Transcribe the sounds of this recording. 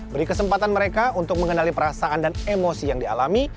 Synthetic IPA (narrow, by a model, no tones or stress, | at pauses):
bəɾikəsəmpat̪anməɾekaunt̪ʊk̚məŋənalipəɾasaandanemosijaŋdia̰lami